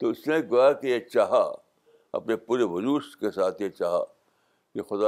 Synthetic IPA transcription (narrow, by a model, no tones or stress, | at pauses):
t̪oʊsnẽɡojakejet͡ʃaːɦa̰ | ɐ̰pnepuːɾeʋʊluːʃkesaːt̪ʰjet͡ʃaːɦa̰ | kexʊd̪a